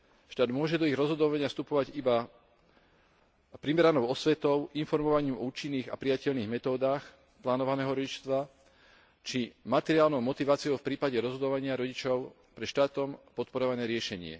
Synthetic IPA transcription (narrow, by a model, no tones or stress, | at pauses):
ʃt̪aːd̪mʊɔʒɛd̪ɔiɣɾɔzɦɔd̪ɔʋaɲɪafst̪upɔʋaɟiba | pɾimɛɾanɔʊɔsʋɛt̪ɔʊinfɔɾmɔʋaɲiːmɔuːt͡ʃinːiːɣa̰pɾijacɛʎniːɣmɛt̪ɔːd̪aːx | plaːnɔʋanɛːɦɔɾɔɟit͡ʃst̪ʋa | t͡ʃimat̪ɛɾiɪaːlnɔʊmɔt̪iʋaːt͡siɔʊfpɾiːpaɟɛɾɔzɦɔd̪ɔʋaɲɪaɾɔɟit͡ʃɔʊ | pɾɛʃt̪aːt̪ɔmpɔt̪̚pɔɾɔʋanɛːɾɪɛʃɛɲɪɛ̰